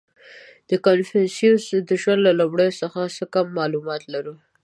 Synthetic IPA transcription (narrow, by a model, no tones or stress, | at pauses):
d̪̥əkanfensjusd̪əʒwand̪lalobɽəjosəxasəkamːɑlumɑt̪laɾu